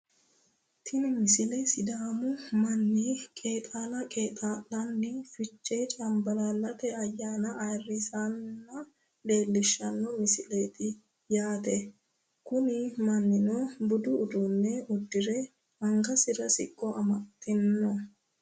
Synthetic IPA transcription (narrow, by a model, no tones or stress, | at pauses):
t̪ʰɪnɪmɪsɪlesɪd̪aːmʊmɐnːikʼe̞ːt̪ʼaːlɐkʼe̞ːt̪ʼalːɐnːɪfɪt͡ʃʼːeːt͡ʃʼɐmbɐlalːɐt̪ɛɐjːaːnɐʔːjrːɪsanːɐ | ᶑe̞ːlːɪʃːɐnːɔmɪsɪleːt̪ɪ | jaːt̪ɛ | kʊnɪmɐnːɪnobʊd̪ʊːd̪ʊnːɛʊd̪ːɪɾɛ | ɐŋɡɐsɪɾɐsɪ̰kʼːɔɐmɐt̪ːɪnːɔ